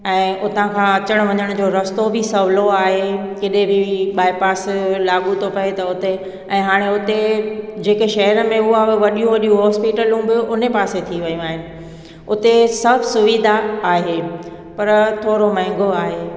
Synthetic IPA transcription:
ɛ̃ːʊt̪ãkʰãɐt͡ɕəɽ̃ʋɐɲəɽ̃d͡ʑoːɾɐst̪obʱɪsɐʋloaːɦe | kɪɗẽbʱɪɓaːipaːslaːɠut̪ʰopɐɦet̪ɐʊt̪e | ɛ̃ːɦaːɽ̃eʊt̪ed͡ʑeːkeʃɐɦəɾəmẽʊabɪʋɐɗijũʋɐɗijũɦɔːspiːʈəlũbʱijũʔʊnepaːset̪ʰiʋɐjũaːɦɪnɪ̆ | ʊt̪esɐbʱsʊʋid̪ʱaaːɦeː | pɐɾt̪ʰoːɾomɐ̃ɦɪ̃ŋɡoaːɦeː

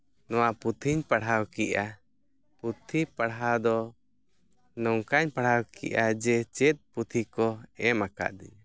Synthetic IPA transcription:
nɔwaput̪ʰiɲpaɽɦawkiʔa | put̪ʰipaɽɦawd̪ɔ | nɔŋkaɲpaɽhawkḭʔad͡ʒɛt͡ʃɛt̪̚ˀput̪ʰikɔɛmaka̰ʔd̪ḭɲa

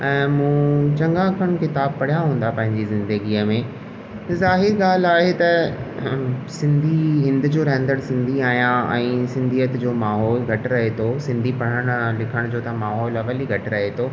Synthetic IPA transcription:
ɛ̃ːmũːt͡ɕɐ̃ŋɡãːkʰəɽ̃kɪt̪aːb̚pɐɽ̤ijaɦũːn̆d̪apɐ̃ɦɪ̃ɲd͡ʑizɪ̃nd̪əɡiːəmẽ | zaːɦɪɾɡaːl̤aːɦet̪ɐ | sɪ̃nd̪ʱiɦɪ̃nd̪ʊd͡ʑoːɾɐɦə̃nd̪əɽsɪ̃nd̪ʱiaːɦijãɛ̰̃ːsɪ̃nd̪ʱijət̪d͡ʑoːmaːɦɔːlɡʱɐʈɾɐɦet̪ʰosɪ̃nd̪ʱipɐɽ̤əɽ̃ʊlɪkʰəɽ̃d͡ʑoːt̪ɐmaːɦɔːlɐʋəliɡʱɐʈɪɾɐɦet̪ʰoː

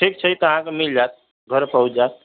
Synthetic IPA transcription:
ʈʰik̚t͡ʃʰəjt̪ɔəɦãkemild͡ʒat̪̚ | ɡʱəɾpəɦut͡ʃʰd͡ʒat̪̚

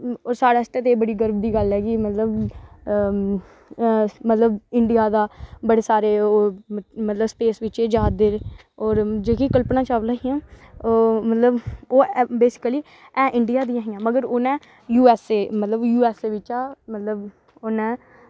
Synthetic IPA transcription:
oːsaːɽaːst̪eːt̪eːbəɽiːɡəɾbd̪iːɡəlɦɛːɡiːmət̪ləb | mət̪ləbɪɳɖɪjaːd̪aːbəɽeːsaːɾeːoːmət̪ləbspeːsʋɪt͡ʃeːd͡ʒaːd̪ɪɾ | ɔːɾd͡ʒeːkikəlpnãːt͡ʃaːʋlaːɦijãːomət̪ləboːbeːsɪ̥kəliː | ɛ̃ːʔɪɳɖɪjaːd̪ĩjãːɦɪjãːməɡəɾoːnɛ̃ː | juːɛːseːmət̪ləbjuːɛːseːʋɪt͡ʃaːmət̪ləb | onɛ̃ː

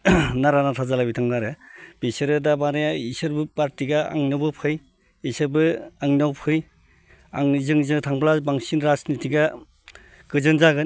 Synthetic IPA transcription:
naɾanatʰazalabitʰaŋnaɾɯb̥isɯɾɯdabaɾejaisɯɾbɯpaɾtiɡaa̰ŋnɯbɯpʰɯj | isɯɾbɯaŋnawpʰɯj | a̰ŋzɯŋzɯtʰaŋplabaŋsinɾasnitʰiɡa | ɡɯzɯnzaɡɯn

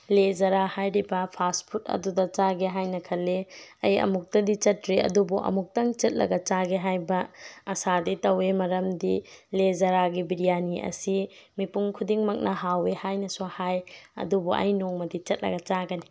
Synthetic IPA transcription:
led͡ʒɐɾahajɾibɐpʰaspʰut̚ɐ̰dudɐt͡ʃaɡeɦajnɐkʰɐlːeɐjɐ̰muk̚tɐdit͡ʃɐtɾiɐ̰dubuʔɐ̰muk̚tɐŋt͡ʃɐt̚lɐ̰ɡɐt͡ʃaɡeɦajbɐːsaditɐwemɐɾɐmdilezɐɾaɡibiɾijaniɐ̰simipuŋkʰudiŋmɐk̚nɐɦawehajnɐsuhajɐ̰dubuʔɐ̰jnoŋmɐdit͡ʃɐt̚lɐ̰ɡɐt͡ʃaɡɐni

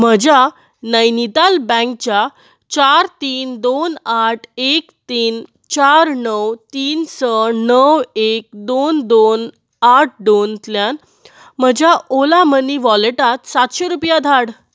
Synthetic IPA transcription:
m̤əd͡ʑa | nəjnit̪albə̃ŋk̚t͡ɕa | t͡ɕaɾt̪iːnd̪onaʈʰekt̪iːn | t͡ɕaɾnəwt̪iːnsənəwek̚d̪ond̪on | aʈ̚ʰɖ̪ont̪ljan | m̤əd͡ʑaolaməniʋɔleʈat̪sat̪ɕeɾupjad̪ʱaɽ

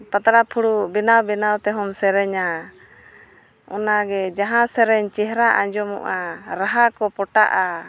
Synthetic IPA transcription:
pat̪aɾapʰuɽubɛnawbɛnawt̪ɛɦɔmsɛɾɛɲa | ɔnaɡɛd͡ʒaɦãsɛɾɛɲt͡ʃɛɦɾaʔaɲd͡ʒɔmɔ̰ʔaɾaɦakɔpɔʈa̰ʔa

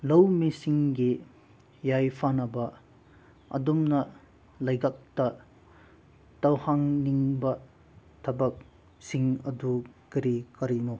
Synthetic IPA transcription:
lɐwmisiŋɡi | jajpʰanɐbɐ | ɐ̰dumnɐ | lɐjɡak̚tɐ | tɐwhaŋniŋbɐ | tʰɐbɐk̚ | siŋɐdukiɾikɐɾinu

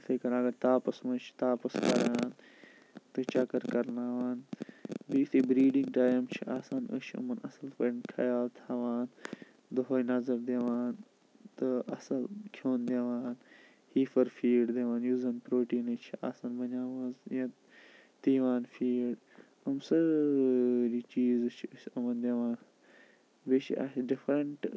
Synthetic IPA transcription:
t̪ʰɐkɐnɐɡɐɾt̪aːpɐsmɐnt͡ʃʰi̥t̪aːpɐskɐ̰ɾaːn | t̪ɨt͡ʃɐkɐɾkɐɾnaːʋaːnbiːt̪ʰibɾiːɖiŋɡʈaːjɐmt͡ʃʰiʔaːsaːnə̰ʃʰɨ̰mɐnɐ̰sɐlfɐnkʰɐ̰jaːt̪ʰaːʋaːn | d̪ɐɦoːjnɐzɐɾd̪eʋaːn | t̪ɨɐsɐlkʰoːnd̪eʋaːn | hiːfɐɾfiːɖd̪eʋaːnjuːzɐnpɾoːʈiːnɨt͡ʃʰia̰ːsaːnbɐɲaːʋɐzjɐ | t̪iːʋaːnfiːɖ | ɐmsɨ | ɾiːt͡ʃiːzɨt͡ʃʰiəʃɐmɐnd̪eʋaːn | bit͡ʃʰḭʔɐ̰ɖifɾɐɳʈ

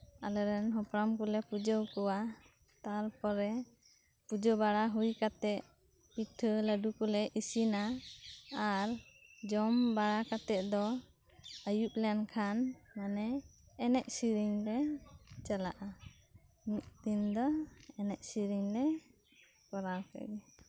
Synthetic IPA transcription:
alɛɾɛnɦɔpɾamkulɛpud͡ʒəwkɔwa | t̪aɾpɔɾɛ | pud͡ʒɔbaɽaɦujkat̪ɛʔ̚ | piʈʰələɖukulɛʔisinaː | ɾd͡ʒɔmbaɽakat̪ɛt̪̚d̪ɔ | əjup̚lɛnkʰanmanɛːnɛʔ̚siɾiŋlɛt͡ʃalaʔa | miʔ̪̚t̪ind̪ɔɛnɛʔ̚siɾiŋlɛ | kɔɾapʰɛ̰ɡɛ

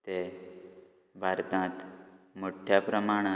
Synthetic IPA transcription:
t̪e | bʱaɾt̪ãt̪moʈʰjapɾəmaɽ̃a

